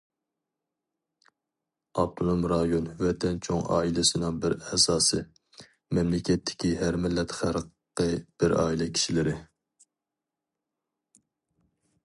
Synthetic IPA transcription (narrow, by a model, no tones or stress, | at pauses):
ɑb̚t̪ʰonumɾɑjonwɛt̪ʰɛnt͡ʃʰoŋɑ̰ːilɪsɨnɨŋbɪɾɛsɑːsɨ | mɛmlɪkʲɛt̪ʰːɪ̥kʲiɦæɾmɪlːɛt̪χæɾq | qːəb̥ɪɾɑ̰ːilɛkʲʰi̥ʃilɪɾɪ